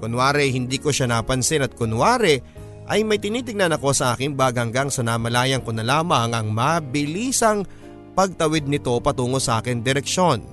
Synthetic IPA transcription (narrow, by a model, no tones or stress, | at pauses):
kʊnwaːɾɛhɪnd̪iːkoʃanaːpɐnsɪnɐt̪̚kʊnwaːɾɛ | ʔɐjmɐjt̪ɪniːt̪ɪɡ̚nɐnɐko̞sɐʔaːkɪŋbaːɡɐŋɡɐŋsɐnamɐlaːjɐŋkonɐlaːmɐŋɐŋmabɪliːsɐŋ | pɐɡ̚t̪ɐwɪd̪̚nɪt̪o̞pɐt̪uːŋosɐʔaːkɪŋd̪ɛɾɛk̚ʃo̞n